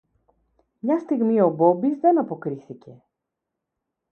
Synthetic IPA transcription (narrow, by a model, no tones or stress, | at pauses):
mɲɐst̪iɣmio̞bo̞bizðe̞nɐpo̞kɾiθice̞